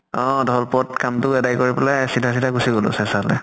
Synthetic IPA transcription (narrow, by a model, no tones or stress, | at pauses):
ɔ̃dɔɦɔlpɔtkamtʊɛdajkoɹipɛlajsidʱas̬idaɡusiɡolɔ̰sɛsalɛ̰